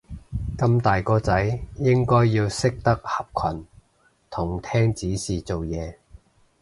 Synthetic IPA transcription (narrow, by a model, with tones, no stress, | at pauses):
kɐ˧mt̪aː˨jkɔː˧t͡sɐ˨˥jjɪ˥ŋkɔː˥jːiː˧wsɪ˥k̚t̪ɐ˥k̚hɐ˨p̚kʷʰɐ˨˩n | t̪ʰʊ˨˩ŋt̪ʰɛː˥ŋt͡siː˨˥siː˨t͡so˨wjɛː˨˧